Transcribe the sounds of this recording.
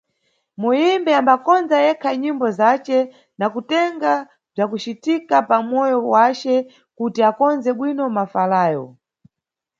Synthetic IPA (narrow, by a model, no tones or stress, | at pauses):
mujimbɛambakɔnzajɛkʰaɲimbɔzat͡ʃɛ | nakutɛŋɡa | b͡ʐakut͡ʃitikapamɔjɔwat͡ʃɛ | kutiakɔnzɛɓwinɔmafalaːjɔ̰